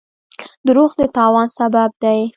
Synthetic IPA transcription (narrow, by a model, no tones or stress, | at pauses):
d̪əɾoɣd̪ət̪ɑwɑnsabab̚d̪aj